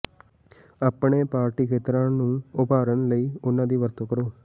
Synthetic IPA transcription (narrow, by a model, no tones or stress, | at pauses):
əpɳeːpaːɾʈiːkʰeːt̪ɾãːnũːʊpaːɾənləiːʊnːãːd̪iːʋəɾt̪oːkəɾoː